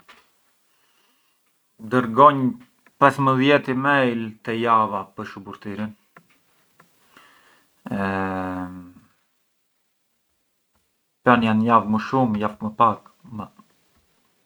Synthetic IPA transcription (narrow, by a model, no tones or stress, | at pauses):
d̪əɾɡɔɲ | pɛsməðjɛt̪imɛjlt̪ɛjavapəɾʃubuɾt̪iɾin | ɛ | panjanjavməʃumjafməpakmə